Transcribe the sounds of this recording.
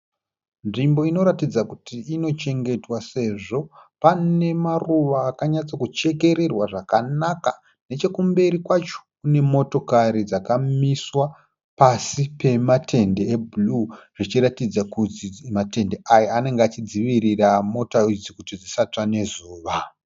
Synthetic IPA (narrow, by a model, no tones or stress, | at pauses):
nʐimbo̞ino̞ɾatid͡zakutʰiino̞t͡ʃe̞ŋɡe̞twase̞ʐo̞pane̞maruʋaːkaɲat͡sakut͡ʃe̞ke̞ɾe̞rwaʐakanaka | ne̞t͡ʃe̞kumbe̞ɾikwat͡ʃo̥kune̞mo̞to̞kaɾid͡zakamiswa | pasipe̞matʰe̞ndeːbuluʐ̥it͡ʃiɾatid͡zakuimate̞nde̞ʔajaane̞ŋɡeat͡ʃid͡ziʋiriramo̞taid͡zikutid͡zisat͡ʂane̞zuːʋa